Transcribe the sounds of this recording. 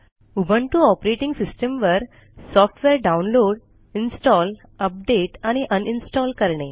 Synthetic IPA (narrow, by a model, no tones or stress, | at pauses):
ubʱəɳʈuɔpɾeʈĩŋɡsisʈəmʋəɾ | sɔfʈʰʋeɾɖaunloɽ | insʈɔl | əp̚ɖeʈaɽ̃iʔəninsʈɔlkəɾɳe